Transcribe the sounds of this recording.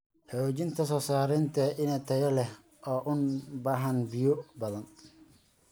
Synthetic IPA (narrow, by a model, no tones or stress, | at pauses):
ħoːt͡ʃɪnt̪ʰɐsɔːsaːɾɛnt̪ʰɐʔɪnɛt̪ʰɐjɐlɛh | ʔɔːʔʊnbaːɦɐnbɪjɔbɐðɐn